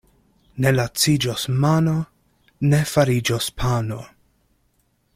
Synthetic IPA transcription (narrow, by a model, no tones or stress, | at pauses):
ne̞lat͡sid͡ʒosmano | ne̞faɾid͡ʒospʰano